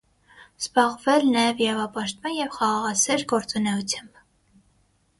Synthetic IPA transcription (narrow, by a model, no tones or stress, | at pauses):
z̥bɑʁvɛlnɑjɛviɾɑvɑpɑʃt̪mɑnjɛvχɑʁɑʁɑsɛɾɡɔɾt͡sunɛut͡sʰjɑmb̥